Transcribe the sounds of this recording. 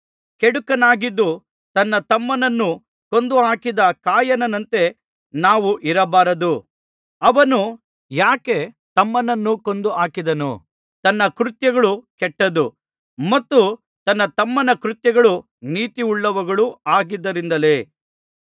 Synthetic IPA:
keɽukɐnaːɡid̪ːu | t̪ɐnːɐt̪ɐmːɐnɐnːu | ko̞nd̪uɦaːkid̪ɐkaːjɐnɐnɐnt̪e̞ | naːʋuʔiɾɐbaːɾɐd̪u | ɐʋɐnu | jaːke̞ | t̪ɐmːɐnɐnːuko̞nd̪uaːkid̪ɐnṵ | t̪ɐnːɐkɾut̪jɐɡɐɭukɛʈːɐd̪u | mɐt̪ːu | t̪ɐnːɐt̪ɐmːɐnɐkɾut̪jɐɡɐɭu | niːt̪iuɭːɐʋɐɡɐɭuaːɡid̪ːɐɾind̪ɐle̞ː

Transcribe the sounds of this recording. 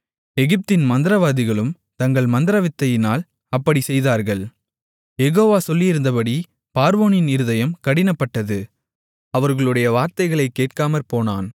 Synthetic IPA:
ɛɣɪp̚t̪ɪnmɐnd̪ɪɾɐʋaːðɪɣɐɭɯm | t̪ɐŋɡɐɭmɐnd̪ɪɾɐʋɪt̪ːɐjɪnaːl | ɐpːɐɽisɛjðaːɾɣɐɭ | jɛɣoːʋaːsɔlːɪjɪɾɯnd̪ɐpɐɽi | paːɾʋoːnɪnɪɾɯðɐjɐmkɐɽɪnɐpːɐʈːɐðɯ | ɐʋɐɾɣɐɭɯɽɐjɐʋaːɾt̪ɐɪɣɐɭɐɪkːeːʈ̚kaːmɐɾpoːnaːn

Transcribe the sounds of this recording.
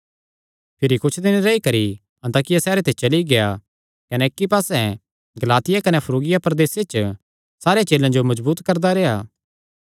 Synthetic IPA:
pʰɪɾikʊt͡ʃʰd̪ɪnɾɐikɐɾi | ɐ̃nt̪aːkɪjasɛːɾet̪ʰet͡ʃɐliɡea | kɐnɛːkːipaːsɛ̃ | ɡɐlaːt̪ɪjakɐnɛpʰɐɾoːɡɪjapɾɐd̪eːset͡ʃ | saːɾjet͡ʃeːlãd͡ʒomɐzbuːt̪kɐɾd̪aɾeːaː

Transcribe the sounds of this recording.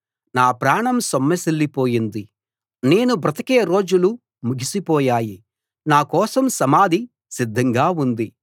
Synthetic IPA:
naːpɾaːɳɐmsomːɐsilːipo̞ːjind̪i | ne̞ːnubɾɐt̪ɐkɛːɐɾo̞ːd͡ʒulu | muɡʱisipɔːjaːji | naːkɔːsɐmsɐmaːd̪ʱi | sid̪ʱːɐŋɡaːund̪i

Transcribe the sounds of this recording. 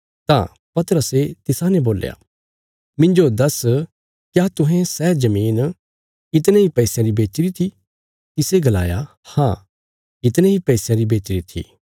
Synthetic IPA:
t̪ã̰ | pɐt̪əɾəset̪ɪsanɛboːlja̰ | mɪ̃nd͡ʒod̪ɐs | kjaːt̪ʊ̃ɦɛ̃sɛːd͡ʒɐmiːn | ɪt̪nẽɦipɛisjãɾibeːt͡ʃɾit̪ʰi | kɪseɡɐla̰ːja̰ | hã̰ | ɪt̪nẽɦipɛisjãɾibeːt͡ʃɾit̪ʰḭ

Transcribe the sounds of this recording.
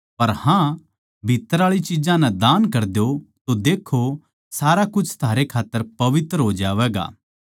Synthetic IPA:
pɐɾhã | bʱit̪ːəɾaːɭit͡ʃid͡ʒãnɛ̃d̪aːnkɐɾd̪ejot̪od̪eːkʰo | saːɾakʊt͡ʃʰt̪ʰaːɾekʰaːt̪ːəɾpɐʋɪt̪ɾəɦoːd͡ʒaːʋɛːɡa̰ː

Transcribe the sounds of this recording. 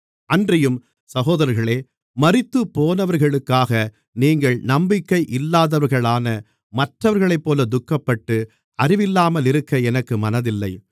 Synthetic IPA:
ʔɐndrɐjɯm | sɐɣoːðɐɾɾɣɐɭeː | mɐrɪt̪ːɯpːoːnɐʋɐɾɣɐɭɯkːaːɣɐ | niːŋɡɐɭnɐmbɪkːɐɪʔɪlːaːðɐʋɐɾɣɐɭaːnɐ | mɐʈrɐʋɐɾɣɐɭɐɪpːoːlɐd̪ʊkːɐpːɐʈːɯ | ɐrɪʋɪlːaːmɐlɪɾɯkːɐɛnɐkːɯmɐnɐðɪlːɐɪ

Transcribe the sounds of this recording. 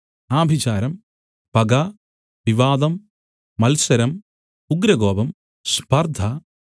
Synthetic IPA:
aːbʱit͡ɕaːɾɐm | pɐɡa | ʋiʋaːd̪ɐmː | ɐlsɐɾɐm | uɡɾɐɡoːbɐm | spɐrd̪ʱɐ

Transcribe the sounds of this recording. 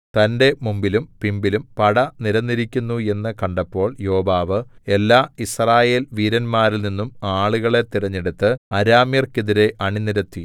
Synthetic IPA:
t̪ɐnde̞mumbilumpimbilumpɐɽɐniɾɐnːiɾikʲːunːue̞nːɨkɐɳɖɐpːo̞ːɭjo̞ːbaːʋɨe̞lːaːisraːje̞ːlʋiːɾɐnmaːɾilninːumaːɭuɣɐɭe̞t̪ːiɾɐɲːeɽut̪ːɨɐɾaːmjɐrkiðiɾe̞ʔɐɳiniɾɐt̪ːi

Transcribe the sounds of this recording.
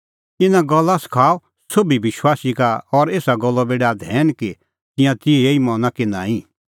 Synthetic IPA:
ɪnãɡɔlːaskʰaː | sobiʋɪʃwaːsikaɔɾeːsaɡɔlːɔbeːɽad̪ʱɛːnki | t̪ɪ̃jãt̪ɪeeimɔ̃ːnakɪ̃nã̰ːĩ

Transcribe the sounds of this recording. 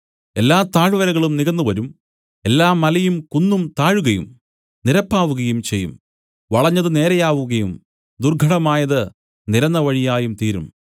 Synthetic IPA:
e̞lːaːt̪aːɻʋɐɾɐɣɐɭumniɣɐnːuʋɐɾum | e̞lːaːmɐlɐjumkunːumt̪aːɻuɣɐjṵm | niɾɐpːaːʋuɣɐjumt͡ɕejːṵm | ʋɐɭɐɲːɐðɨne̞ːɾɐjaːʋuɣɐjum | d̪urɡʱɐɽɐmaːjɐðɨ | niɾɐnːɐʋɐɻijaːjumt̪iːɾum

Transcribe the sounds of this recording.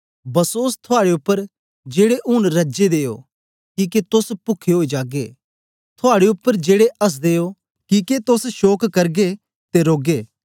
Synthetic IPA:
bɐsoːst̪ʰʊaːɽeʊpːəɾ | d͡ʒeːɽeʔʊnɾɐd͡ʒed̪eːjo̰ | kiːket̪ʊspʊkʰːeɦoːid͡ʒaːɡḛː | t̪ʰʊaːɽeʊpːəɾd͡ʒeːɽeɐs̬d̪eːo | kiket̪ʊsʃoːkkɐɾɡe | t̪eɾoːɡeː

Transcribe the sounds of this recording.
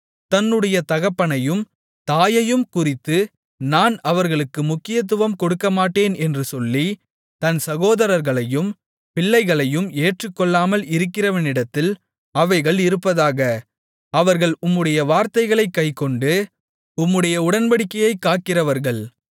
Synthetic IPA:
t̪ɐnːɯɽɐjɐt̪ɐɣɐpːɐɳɐjɯm | t̪aːjɐjɯmkʊrɪt̪ːɯ | naːnɐʋɐɾɣɐɭɯkːɯmʊkːɪjɐt̪̬ːɯʋɐmkɔɽɯkːɐmaːʈːeːnʔɛndrɯsɔlːi | t̪ɐnsɐɣoːðɐɾɐɾɣɐɭɐjɯm | pɪɭːɐɪɣɐɭɐjɯmeːʈrɯkːɔɭːaːmɐlɪɾɯkːɪrɐʋɐnɪɽɐt̪ːɪl | ɐʋɐɪɣɐɭɪɾɯpːɐðaːɣɐ | ɐʋɐɾɣɐɭʊmːɯɽɐjɐʋaːɾt̪ɐɪɣɐɭɐɪkːɐɪkːɔɳɖɯ | ʊmːɯɽɐjɐʊɽɐnʋɐɽɪkːɐjɐɪkːaːʈ̚kɪrɐʋɐɾɣɐɭ

